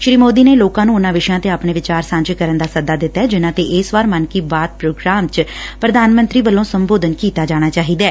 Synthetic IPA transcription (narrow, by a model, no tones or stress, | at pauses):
ʃɾiːmoːd̪iːneːloːkãːnũːʊnãːʋɪʃjãːt̪eːaːpɳeːʋɪt͡ʃaːɾsãɲd͡ʒkəɾənd̪aːsəd̪aːd̪ɪt̪ːaɛːd͡ʒɪnãːt̪eːʔɪsʋaːɾmənkiːbaːt̪̚pɾoːɡɾaːmt͡ʃpɾəd̪aːnmənt̪ɾiːʋəlːõːsəmboːd̪ənkiːt̪aːd͡ʒaːɽ̃aːt͡ʃaːɦiːd̪ɛː